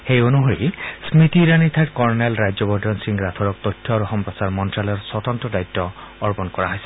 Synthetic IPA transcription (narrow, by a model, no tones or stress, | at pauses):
xejonuɦoɹḭsmit̪iɾanit̪ʰaʈkɔɹnelɹajzɔbɔdɔnsiŋɡɹat̪ʰɔɹɔk̚t̪ɔjtʰːɔɾuxɔmpɹɔsaɹmɔntɹalɔɹsɔt̪ɔntɔdajt̪ːɔɔɹpɔnkɔɹaɦɔjsɛ̥